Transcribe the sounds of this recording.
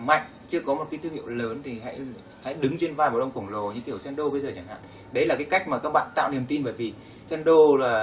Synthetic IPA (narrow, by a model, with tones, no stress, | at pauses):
ma˨˧˩jk̟̚t͡ɕɨ˧əkɔ˨˦mo˨˩t̚kaː˨˦jt̪ɨ˧ŋhḭ˧˨əwləː˨˦nt̪ʰi˨˩ɦa̰˧˥j | ha̰˧˥jɗɨ˨˦ŋt͡ɕe˧nvaː˨˩m˨˩ɗwŋ͡mkə˧˩ŋlo˨˩ɲɨ̰˧˥ŋki˧˩əwsɛ˧nɗo˧ɓə˧jzəː˨˩t͡ɕa˧˩ŋha̰ː˧˨ | ɗə˧˦jlaː˨˩kaː˨˦jka˦˥jk̚maː˨˩kaː˦˥k̚ɓa̰ː˧˨nt̪a̰ː˧˨wni˨˩əmt̪i˧nɓəː˧˩jvi˨˩ | sɛ˧nɗo˧laː˨˩